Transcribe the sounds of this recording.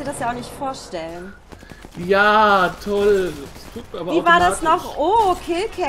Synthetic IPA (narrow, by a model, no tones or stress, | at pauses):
diːɐdasjaːaʊxnɪçtfoːɐʃtɛlən | jaːtʰɔl | abviːvaaːɐdasnɔχʔoːkʰɪlkʰɛ